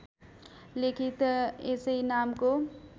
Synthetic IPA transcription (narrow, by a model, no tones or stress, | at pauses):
lekʰit̪eseinaːmko